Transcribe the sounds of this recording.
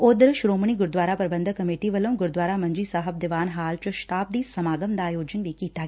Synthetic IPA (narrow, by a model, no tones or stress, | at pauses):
oːd̪əɾʃɾoːməɳ̃iːɡʊɾd̪ʋaːɾapɾəbə̃nd̪kɐmeːʈiʋəlõːɡʊɾd̪waːɾamɐ̃ɲd͡ʒiːsaːɦəb̚d̪ɪʋaːnɦaːlt͡ʃʊʃt̪aːb̚d̪iːsɐmaːɡəmd̪aːjoːd͡ʒənʋikiːt̪aː